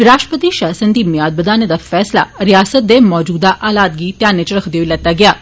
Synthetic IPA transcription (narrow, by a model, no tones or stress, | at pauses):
ɪɾaːʃʈɾəpət̪iʃaːsə̃nd̪iːmɪjaːd̪̚bəd̪aːned̪afɛːsla̰ɾɪjaːsət̪̚d̪emɔːd͡ʒuːd̪aʔaːlaːt̪̚ɡiːt̪jaːnːet͡ʃəɾəkʰd̪eoilɛːt̪ːaːɡɪjaː